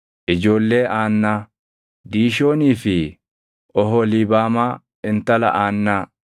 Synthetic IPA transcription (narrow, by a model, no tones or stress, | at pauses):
ʔɪd͡ʒo̞ːlːe̞ːʔaːnːaː | d̪iːʃo̞ːniːfɪ | ɔɦoliːbaːmaː | ɪnt̪ːɐlɐ̰ʔaːnːaː